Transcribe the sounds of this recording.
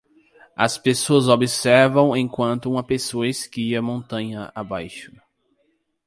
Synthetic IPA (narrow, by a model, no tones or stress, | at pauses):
ɐspesoɐzobɪsɛɾvɐ̃w̃ẽkwɐ̃nt̪ʊũmɐpesoɐeskiɐmõnt̪ɐ̃ɲɐabajʃʊ̥